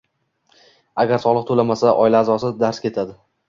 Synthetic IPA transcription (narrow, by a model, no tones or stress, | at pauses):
aɡʲaɾsɒlˠɨq̚t̪ʰolamasaʔɒɪlaːzɒsɪd̪aɾskʲʰe̞t̪ʰad̪ɪ